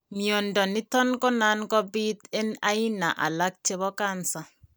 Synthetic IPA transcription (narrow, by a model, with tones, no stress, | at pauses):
mjo˨ndɔ˨ni˦tɔ˦nkɔ˦na˦nkɔ˦bi˦t̪e˦na˦i˦na̰˨ʔa̰˨la˦k̚t͡ʃe˦βɔ˦ka˦nsa˨